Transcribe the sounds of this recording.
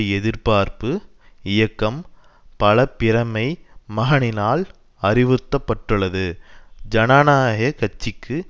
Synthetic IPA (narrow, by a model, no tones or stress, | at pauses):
ɛðɪɾpaːɾpɯ | ɪjɐkːɐm | pɐlɐpːɪɾɐmɐɪmɐɣɐnɪnaːl | ɐrɪʋɯt̪ːɐpːɐʈːɯɭːɐðɯd͡ʒɐnaːnaːɦekɐt͡ʃːɪkːɯ